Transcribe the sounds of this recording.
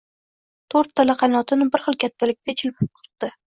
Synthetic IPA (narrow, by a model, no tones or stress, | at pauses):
t̪ʰoɾt̪ːalaqʰɑjnɒt̪ʰɪnɪbɪɾχɨlˠkʲʰat̪ʰːalɪk̚ʲt̪ʰat͡ʃʰɪlpʰɪp̚qʰʊɾt̪̚d̪ɪ